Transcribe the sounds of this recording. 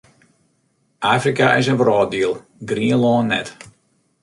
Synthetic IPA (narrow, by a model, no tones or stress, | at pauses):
ʔaːfrikaʔɪs̬ənvrɔːt̚diəlˠ | ɡriəlɔːnːɛ̰t